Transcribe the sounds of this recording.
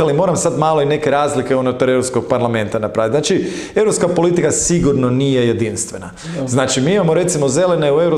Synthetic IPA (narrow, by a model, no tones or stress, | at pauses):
alimo̞ːɾamsad̪maːlo̞ine̞ke̞ɾaːzlikeonot̪oɾeɾopsko̞ɡ̚paɾlame̞nt̪anapɾaːit̪znat͡ʃie̞vɾopskapo̞lit̪ikasiɡuɾno̞nije̞je̞d̪inst̪ʋe̞na̰ | znaːt͡ʃimiːimamo̞ɾe̞t̪simoze̞leneue̞vɾo